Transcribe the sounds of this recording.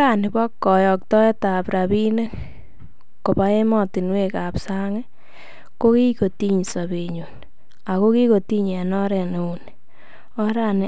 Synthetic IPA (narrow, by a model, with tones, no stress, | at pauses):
anɪ˨ba˦kːɔ˨jɔ˨k̚tɔ˦e˦ta˨pɾa˨βi˦ne˦k | ko˨pa˦e˦mɔ˨ti˨nwe˦ka˨psaŋe˦ | ko˦ki˦ko˨ti˦ɲsaβe˨ɲu˨n | a˨ko˦ki˦ko˨ti˦ɲɛ˨nɔ˦ɾɛ˨ne˨u˨n | ɔ˦ɾanɪ˨